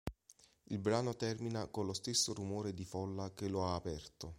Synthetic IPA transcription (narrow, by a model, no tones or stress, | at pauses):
ilbɾaːnot̪ɛrminakonlost̪esːorumoːɾed̪ifɔlːakeloaːpɛrt̪o